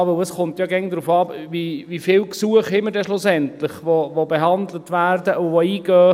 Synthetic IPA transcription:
ʋɵləsχʊmtjɑɡɛŋd̪ɾuːfɑːviʋifɪlksuəχɪmːədɛʃlʊsɛntlɪχʋovobeɦɑndlətʋærdəʔʊvoiːɡœː

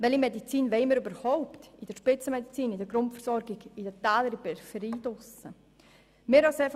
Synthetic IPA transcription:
ʋɛlimedit͡siːnʋɛɪməɾybəɾhɔʊptid̥əɾʃpɪt͡səmɛdit͡siːnidəɡɾʊntfəɾsɔɾɡɪɡidətaːləɾibɛfəɾiːdʊsə | mɪɾhɑseːɾf

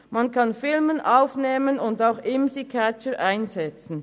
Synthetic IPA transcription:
mankʰɑnfɪlmənʔaʊfneːmənʊndaʊxʔɪmsikʰæt͡ʃəʔaɪnzɛt͡sn̩

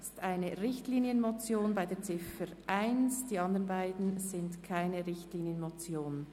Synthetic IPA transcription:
t͡stʔaɪnəʁɪçtliːnjənmot͡sjoːnbaɪdeːɐt͡sɪfəɾʔaɪnsd̥iːɑndəʁnbaɪdn̩z̥ɪntkʰaɪnəʁɪçtliːnjənmot͡sjoːn

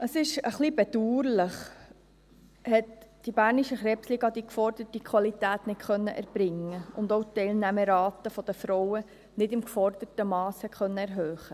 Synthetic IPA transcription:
əsɪʃəχlibɛd̪uːɾləχ | hɛtd̥ibæːɾniʃəχɾɛːpsliːɡɑd̪ikfɔrd̥ətikʰwɑlit̪æːt̪nɪtkœnːəʔæ̰ɾb̥ɾɪŋːəʊnd̪owt̪ɛɪlnæməɾɑːtəfɔd̥̪əfɾɔwə | nɪdɪmkfɔrd̥ətəmɑːsəkʰχœnːəæɾɦøːχə

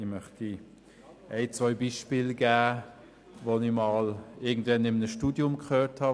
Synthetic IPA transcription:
imœχti | ɛɪt͡svɔʏbiːʃpɪːlɡæː | vonimɑːlɪɐɡ̚n̩dvɛnɪmnəʃtuːdjʊmkχøːthɑ

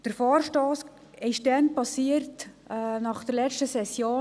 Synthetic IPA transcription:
d̥əɾfɑːrʃtoːs | ɪʃdɛnpɑsiəɾtː | nɑχd̥̪əɾlɛt͡ʃtəsɛsjoː

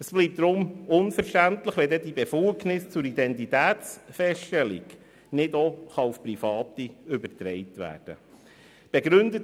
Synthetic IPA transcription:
əsb̥liːp̚t̚d̥ɾʊmʊnfəɾʃtæntləχʋɛd̪ɛdibefuknɪst͡sʊɾid̪ɛntitæːt̪t͡sfɛsʃtɛlḭk | nɪdoχɑufpɾifɑːt̪iʏbəɾtɾɛɪtʋæ̰ːrd̥ə̰ | b̥ɛɡɾɵnd̪ət

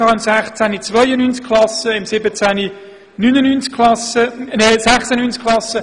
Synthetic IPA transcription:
ɑːɪmsæχt͡sænit͡svœʏənyːnt͡skʰlɑsəɪmsɪbət͡sæni | nynənyːnt͡skʰχlɑsənɛsæχsənynt͡skʰχlɑsə

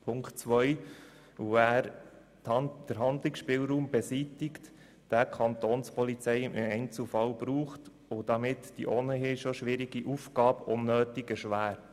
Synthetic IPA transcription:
pʰʊŋktt͡sʋœj | uæːɾ | d̥əɾɦɑndlɪksʃpɪːlɾuːmbɛsitɪkt | d̥ækʰɑnt̪oːnspɔlit͡sɛɪmʔɪɛɪnt͡sl̩fɑlbɾuːχt | ʊd̥̪ɑmɪtd̥iʔonəɦɪʃoʃʋɪɾiɡiʔufɡɑːbʔʊnːøːtiɡ̥əʃʋæːɾ

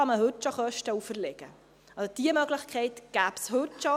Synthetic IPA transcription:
ɑməhɵtːt͡ʃoχœʃtəufəɾlɛɡ̥ə̰ | ɑod̥iəmœɡlɪχkʰɛɪtɡ̥æːpshɵtʃo

